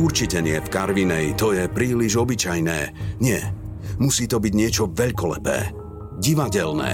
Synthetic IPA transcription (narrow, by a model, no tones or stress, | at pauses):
uɾt͡ʃicɛɲɪɛfkaɾʋinɛit̪ɔjɛpɾiːliʒɔbit͡ʃajnɛ̰ːɲɪɛ | musiːt̪ɔbiɟɲɪɛt͡ʃɔʋɛʎkɔlɛ̰pɛ̰ː | ɟiʋaɟɛlnɛ̰ː